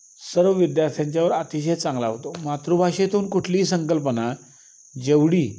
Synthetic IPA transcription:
səɾʋəʋid̪jaɾt̪ʰjaɲt͡ɕjaʋəɾat̪iɕ̬əjt͡sãŋɡlaɦot̪omat̪ɾobʱaɕet̪ʰuːnkuʈʰliːsəŋkəlpəna | d͡ʑeʋɽiː

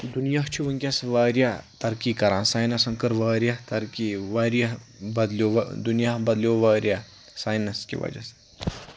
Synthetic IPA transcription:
d̪unjaɦt͡ʃʰiʋɐŋkʲjɐsʋaːɾjat̪ɐɾkiːkɐɾãːsaːjnɐsɐŋkɐɾʋaːɾjɐɦt̪ɐɾkiʋaːɾjɐɦbɐd̪ljod̪unjaɦbɐd̪ljoʋaːɾja | saːjnɐskḭʋɐ̰d͡ʒɐ̰se̥

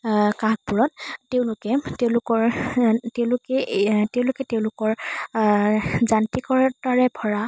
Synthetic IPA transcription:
kaɡ̚puɹɔt̚teʊ̃lʊkɛteʊ̃lʊkɔɹtẽlʊkɛteʊ̃lʊkɛteʊ̃lʊkɔɹ | zantikɔɹtaɹɛbʱɔɹa

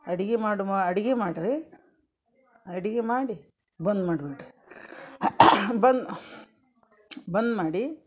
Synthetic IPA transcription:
ɐɽiɡemaːɽumaɐɽiɡemaːɽɾi | ɐɽiɡemaːɽi | bɐnd̪maːɖbiʈ | bɐnd̪ | bɐnd̪maːɽi

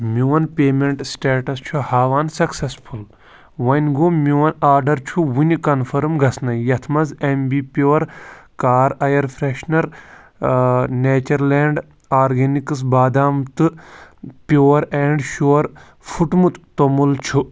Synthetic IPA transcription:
mʲuwɐnpʲeːmeɳʈsʈeːʈɐst͡ʃʰuhaːʋaːnsɐksesfʰul | ʋɐnɡomʲuwɐnaːɾɖɐɾt͡ʃʰuwunʲkɐnfʰɐɾmɡɐsnɐjɐt̪ʰmɐzembipʲoːɐɾkaːɾɐjɐɾpʰɾeʃnɐɾ | neːt͡ʃɐɾleːɳɖ | aːɾɡenikɨs̬baːd̪aːmt̪ɨ | pʲjoːɐɾeːɳɖʃoːɐɾ | fʰuʈmut̪t̪omult͡ʃʰu

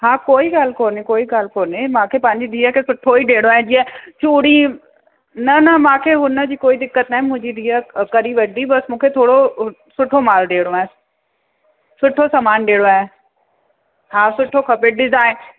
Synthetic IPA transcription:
ɦaːkoːiɡaːlkoːnekoːiɡaːlkoːnemãːkʰepɐ̃ɦɪ̃ɲd͡ʑid̪ʱiːəkʰesʊʈʰoiɗeːɽoaːɦɪ̃d͡ʑiːə̃t͡ɕuːɽi | nɐnɐmãːkʰeɦʊnə̆d͡ʑiːkoːid̪ɪkːət̪naːɦɪ̃mʊ̃ɦɪ̃ɲd͡ʑid̪ʱiːəkɐɾiʋɐd̪ibɐsmũːkʰet̪ʰoːɽo | sʊʈʰomaːlɗeːɽoaːɦẽ | sʊʈʰosɐmaːnɗeːɽoaːɪ̃ | ɦãːsʊʈʰokʰɐpɪʈɗɪzaːɪ̃

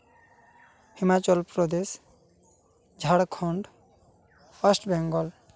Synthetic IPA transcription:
himat͡ʃɔlpɾɔd̪es | d͡ʒʱaɽkʰɔɳɖ | ɔsʈbɛŋɡɔl

